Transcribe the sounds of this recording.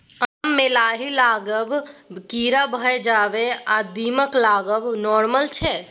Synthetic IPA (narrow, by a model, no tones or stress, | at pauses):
amːelaːɦilaːɡəbkiɾabʱəɛd͡ʒabead̪iməklaːɡəbnɔːɾməlt͡ʃʰɛ